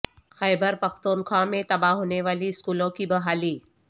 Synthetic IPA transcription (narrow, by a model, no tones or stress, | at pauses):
xɛːbəɾpɐxt̪uːnxãːmẽt̪ɐbaɦoːneʋaːliɪskuːlõkibɐɦaːliː